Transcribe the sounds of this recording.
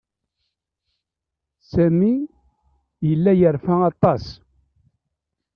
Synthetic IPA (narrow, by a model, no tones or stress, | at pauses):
sæmi | jəlːæjəɾfæɑt̪ˤːɑs